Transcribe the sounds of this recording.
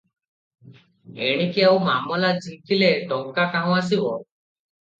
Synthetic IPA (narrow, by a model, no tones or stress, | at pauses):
eɽ̃ikiawmamɔlad͡ʒikileɖɔŋkakaɦɔ̃as̬ibɔ